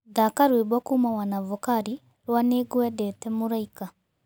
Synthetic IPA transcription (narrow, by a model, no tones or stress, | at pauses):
ðakaɾwebwɔkumawanavɔkaɾi | ɾwaneɡwɛdɛtɛmoɾaika